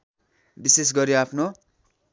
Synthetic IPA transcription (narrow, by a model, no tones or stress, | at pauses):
bises̬ɡʌɾjoapʰno